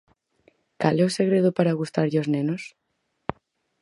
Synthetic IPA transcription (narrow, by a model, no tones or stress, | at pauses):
kalɛoseɣɾeðopaɾaɣust̪aɾʎoznenos